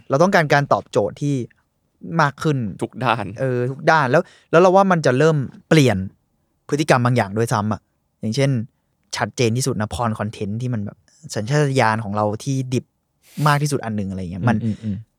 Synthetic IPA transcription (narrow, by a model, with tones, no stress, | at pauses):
ɾa˧wt̪ɔ˥˩kaː˧nkaː˧nt̪ɔː˨˩p̚t͡ɕoː˨˩t̪ʰːiː˥˩ | maː˥˩kʰːɯ˥˩nt̪ʰu˨˦˧k̚daː˥˩nʔɤː˧t̪ʰu˨˦˥k̚daː˥˩nlɛː˦˥w | lɛː˦˥wɾa˧waː˥˩ma˧nt͡ɕa˨˩ɾɤː˥˩mpli˨˩ən | pʰt̪ːi˨ka˧mbaː˧ŋjaː˨˩ŋdu˥˩əjsa˦˥mʔa˨˩ʔ | jaː˨˩ŋt͡ɕʰe˥˩n | t͡ɕʰa˦˥t̪̚t͡ɕeː˧nt̪ʰiː˥˩su˨˩t̪̚na˦˥pʰɔː˧nkʰɔ˧nt̪ʰe˦˥nt̪ʰiː˥˩ma˧nbɛ̰ː˨˩p̚ʔːsa˩˦nt͡ɕʰaː˥˩a˧jaː˧nkʰɔː˩˦ŋɾa˧wt̪ʰiː˥˩di˨˩p̚ | maː˥˩iː˥˩su˨˩ʔa˧nːɯ˨˩ŋʔa˧a˧ji˦˥ma˧n